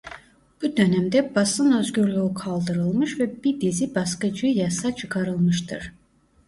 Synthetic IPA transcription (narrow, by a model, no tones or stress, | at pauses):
b̥ud̪ø̞næmd̪ɛbɑsɯnø̞zɟyɾlʲyukʰɑlˠd̪ɯɾɯlˠmɯʃvɛbiɾd̪izibɑskɯd͡ʒɯjɑsɑt͡ʃʰɯkʰɑɾɯlˠmɯʃt̪ʰɯɾ̥